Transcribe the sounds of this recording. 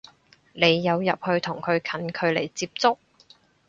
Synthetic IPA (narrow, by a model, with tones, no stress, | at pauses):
le˨˧jːɐ˨˧wjɐ˨p̚hɵ˧ɥt̪ʰʊ˨˩ŋkʰɵ˨˧ɥkʰɐ˨˥nkʰɵ˨˧ɥle˨˩jt͡siː˧p̚t͡sʊ˥k̚